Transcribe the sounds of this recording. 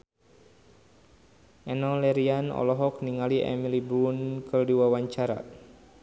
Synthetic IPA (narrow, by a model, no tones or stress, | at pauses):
ʔɛnɔlɛɾianɔ̰lɔɦɔk̚niŋaliʔɛ̰milibɾunkərduwawaɲt͡ʃaɾa̰